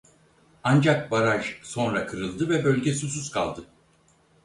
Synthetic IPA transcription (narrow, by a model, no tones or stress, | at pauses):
and͡ʒak̚baɾaʒso̞nɾakʰɯɾɯlˠd̪ɯvɛbølʲɟesususkʰa̰lˠd̪ɯ